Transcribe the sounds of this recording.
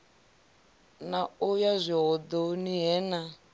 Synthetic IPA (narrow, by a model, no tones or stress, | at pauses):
naujazʷiɦɔd̪oniɦɛna